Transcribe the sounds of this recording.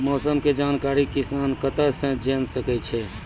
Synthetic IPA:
mɔːsəmked͡ʒankaɾikisankət̪əɾsə̃d͡ʒensəkɛt͡ʃʰɛ

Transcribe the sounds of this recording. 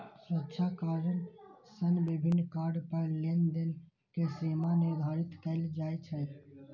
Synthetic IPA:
swətːʃʰakaɾɖən | sənbibʱɪnːkaːɾɖpəɾlend̪en | kesimaned̪ʱaːɾɪt̪kəɪld͡ʒaːjt͡ʃʰɛ

